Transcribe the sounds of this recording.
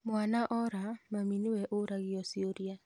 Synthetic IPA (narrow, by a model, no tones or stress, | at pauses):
mʊwanaʔɔɾamaminiwɛʔoɾaɣɪɔsioɾia